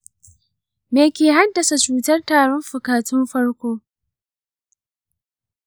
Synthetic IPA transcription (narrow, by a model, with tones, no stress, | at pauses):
meː˨kʲeː˨ɦa˦dɐ˨sa˨t͡ʃuː˨tɐ˦rtaː˨ɽɔ˦mɸʊ˨kaː˨tʊ˦mɸɐ˦rkʷoː˦